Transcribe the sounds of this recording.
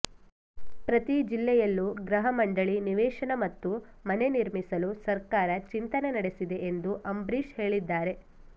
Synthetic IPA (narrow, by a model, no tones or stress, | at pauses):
pɾɐt̪id͡ʒilːɛjɐlːuɡɾɐɦɐmɐɳɖɐɭiniʋɛːʂɐnɐmɐt̪ːumɐne̞niɾmisɐlusɐɾkaːɾɐt͡ʃint̪ɐnenɐɽe̞sid̪e̞ʔend̪uʔɐmbɾiʃhe̞ːɭid̪ːaːɾe̞